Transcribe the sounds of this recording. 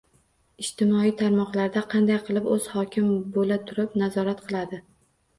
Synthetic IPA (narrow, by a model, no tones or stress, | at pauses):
ɪʃt̪ɪmɒijt̪ʰaɾmɒqlˠaɾd̪aqʰɑnd̪ajqʰɨlˠɪpɵz̥hɒkʲʰɪmbolat̪ʰʊɾɪpnazɒɾat̪qʰɨlˠad̪ɪ